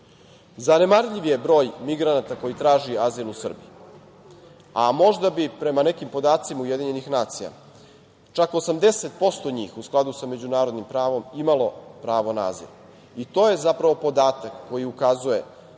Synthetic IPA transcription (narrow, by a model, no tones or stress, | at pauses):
zane̞maɾʎiʋjebɾo̞ːjmiɡɾanat̪ako̞jit̪ɾaːʒiazilˠusr̩bi | amo̞ʒd̪abipɾe̞mane̞kimpo̞d̪aːt̪simauje̞d̪iɲe̞nixnaːt̪sija̰ | t͡ʃako̞samd̪e̞set̪̚po̞st̪o̞ɲḭːxusklˠad̪usame̞d͡ʑunaːɾod̪nimpɾaːʋo̞mimalo̞pɾaːʋo̞naa̰zḭl | it̪o̞ːje̞zapɾaʋo̞po̞d̪aːt̪akːo̞jiukazuje̞